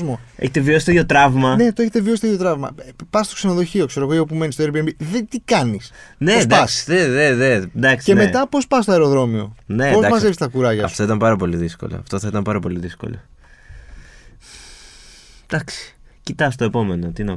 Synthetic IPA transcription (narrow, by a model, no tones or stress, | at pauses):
zmoḛçet̪eviosi̥t̪ejot̪ɾɐvmɐne̞t̪oeçet̪eviosit̪ejot̪ɾɐvmɐ̰pɐst̪o̞ksenoðo̞çio̞kse̞ɾoɣo̞eopume̞nist̪oeɾbiembiðet̪ikɐnisned̪ɐsðeðeðed̪ɐkse̞me̞t̪ɐpo̞spɐst̪oɐeɾo̞ðɾo̞mio̞nepozd̪ɐmɐze̞vsist̪ɐkuɾɐʝɐɐ̰ft̪oit̪ɐmpɐɾɐpo̞liðisko̞̰lo̰ɐft̪o̞θɐit̪ɐmpɐɾɐpo̞liðisko̰lo̰ | d̪̥ɐksi̥cit̪ɐst̪oe̞po̞me̞not̪inɐ